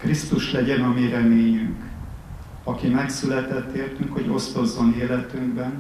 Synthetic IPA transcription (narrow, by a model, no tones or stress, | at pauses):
krist̪uʃlɛɟɛnɒmiɾɛmeːɲyŋk | ɒkimɛksylɛt̪ɛt̪ːeːrt̪yŋkho̞ɟo̞st̪o̞zːo̞neːlɛt̪yŋɡbɛn